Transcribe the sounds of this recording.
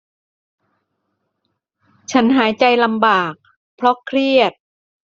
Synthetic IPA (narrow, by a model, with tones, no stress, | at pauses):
t͡ɕʰa˦˥nɦaː˩˦jt͡ɕa˧jla˧mbaː˨˩k̚ | pʰɾɔ˦˥kʰɾi˥˩ət̪̚